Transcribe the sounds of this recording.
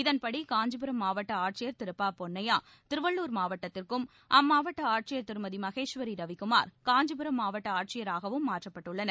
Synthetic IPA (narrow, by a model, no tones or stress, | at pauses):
ɪðɐnpɐɽikaːɲd͡ʒɐbɯɾɐmːaːʋɐʈːɐaːʈ̚t͡ʃɪjɐɾt̪ɪɾɯpːaːpɔnːɐjaː | t̪ɪɾɯʋɐɭːuːɾmaːʋɐʈːɐt̪ːɪrkɯm | ʔɐmːaːʋɐʈːɐaːʈ̚t͡ʃɪjɐɾt̪ɪɾɯmɐðimɐɣeːʂʋɐɾiɾɐʋɪkːɯmaːɾkaːɲd͡ʒɯbɯɾɐmːaːʋɐʈːɐaːʈ̚t͡ʃɪjɐɾaːɣɐʋɯmːaːʈrɐpːɐʈːɯɭːɐnɐ